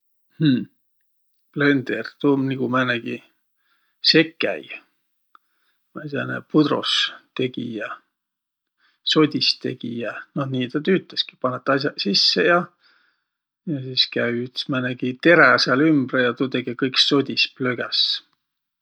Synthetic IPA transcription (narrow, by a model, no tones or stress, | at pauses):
h̩ | ple̞nd̪̥ert̪uːmniɡ̥umæːnæɡ̥i | se̞kːæ̰j | mɑet̪ɑ̰nḛpud̪̥ɾo̰st̪e̞ɡ̥ḭjɑ | so̞d̪ʲist̪e̞̰ɡ̥ijɑnohniːt̪ɑt̪yːt̪ːˑeski̥pɑnːet̪ːˑɑs̬ʲjɑsisːejɑ | jɑsiːskæjyt̪ːsmænæɡ̥it̪e̞ɾæɑseɑlymb̥rejɑt̪ut̪eɡ̥ekɤjkso̞d̪ʲispløɡ̥æs